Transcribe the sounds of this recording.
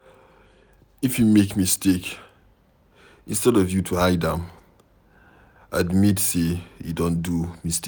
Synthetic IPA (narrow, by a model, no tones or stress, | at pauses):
ifjumekmistek | ĩnstɛdɔvjutʰuaɪdãm | admitsejṵdõndumiste